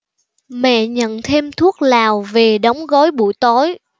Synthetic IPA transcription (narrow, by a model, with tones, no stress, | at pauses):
mɛ̰˧˨ɲə̰˧˨nt̪ʰe˧mt̪ʰu˦˥ək̚laː˨˩wve˨˩ɗə˨˦wŋ͡mɣɔ˨˦jɓṵ˧˨jt̪o˨˦j